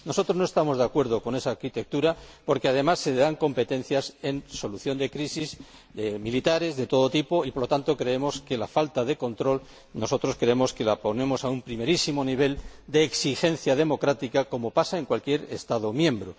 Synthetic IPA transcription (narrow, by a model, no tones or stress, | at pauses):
no̞so̞t̪ɾonoest̪amo̞zðakwe̞ɾð̞o̞ko̞ne̞saːɾkit̪e̞k̚t̪uɾapo̞ɾkeað̞e̞masːe̞ðaŋko̞mpe̞t̪e̞n̟θjase̞nso̞luθjo̞nd̪e̞kɾisiz | milit̪aɾe̞zðe̞t̪o̞ð̞o̞t̪ipo̞ipoɾlo̞t̪ant̪o̞kɾe̞e̞mo̞ske̞lafalt̪aðe̞ko̞nt̪ɾo̞l | no̞so̞t̪ɾo̞skɾeemo̞ske̞lapo̞nẽ̞mo̞saumpɾime̞ɾisimo̞niβ̞e̞ld̪eːksixẽ̞nθjaðe̞mo̞kɾat̪ikako̞mo̞pasae̞ŋkwalkje̞ɾe̞st̪aðo̞mjẽ̞mbɾo